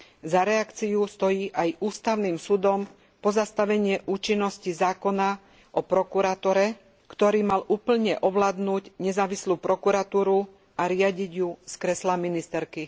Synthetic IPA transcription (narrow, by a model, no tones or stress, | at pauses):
zaɾɛakt͡siust̪ɔjiːʔajuːst̪aʊniːmsud̪ɔm | pɔzast̪aʋɛɲɪɛʔuːt͡ʃinːɔscizaːkɔna | ʔɔpɾɔkuɾat̪ɔɾɛ | kt̪ɔɾiːmalʔuːpl̩ɲɛʔɔʋlaːd̪nuːɟɲɛzaːʋisluːpɾɔkuɾat̪uːɾu | ʔaɾɪaɟiɟjuskɾɛslaminist̪ɛɾki